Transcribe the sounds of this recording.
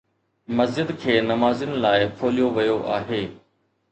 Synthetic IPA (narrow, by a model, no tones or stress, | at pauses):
mɐzd͡ʒɪd̪kʰeːnɐmaːzɪnɪ̆laːɪpʰoːlijoʋɐjoʔaːɦeː